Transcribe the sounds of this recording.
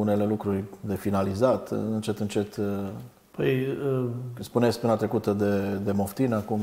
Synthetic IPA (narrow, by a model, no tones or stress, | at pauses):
une̞le̞lukɾurʲd̪e̞finalizat̪ɨnt͡ʃe̞t̪ɨnt͡ʃe̞t̪ | pəj | spunet̪sʲk̚ʲpɨnat̪ɾe̞kut̪əd̪e̞d̪e̞mo̞ft̪inakum